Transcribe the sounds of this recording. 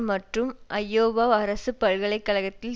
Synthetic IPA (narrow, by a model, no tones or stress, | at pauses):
mɐʈrɯmʔɐjːoːʋaːɐɾɐsɯpːɐɻɣɐɭɐɪkːɐlɐɣɐt̪ːɪl